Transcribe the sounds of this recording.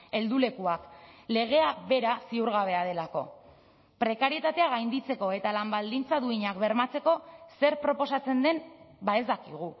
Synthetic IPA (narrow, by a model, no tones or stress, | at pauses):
e̞ld̪ule̞kuakle̞ɣ̞e̞aβe̞ɾasiuɾɣaβ̞e̞aðe̞lako̞̰ | pɾe̞kaɾie̞t̪at̪e̞aɣ̞ajnd̪it͡se̞ko̞e̞t̪alambald̪int͡saðuiɲakbe̞ɾmat͡se̞ko̞se̞ɾpɾo̞po̞sat͡se̞nd̪e̞nbaezd̪akiɣ̞u